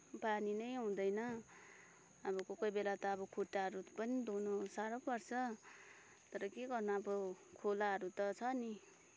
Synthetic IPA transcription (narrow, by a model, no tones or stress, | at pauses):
paninʌjɦũd̪ʌjnʌ | ʌbʌkokʌjbelat̪ʌːbʌkʰuʈːaɦʌɾupʌnid̪onosaɾʌpʌrt͡sʰʌ | t̪ʌɾʌkeɡʌrnʌʌbʌkʰolaɦʌɾut̪ʌt͡sʰʌni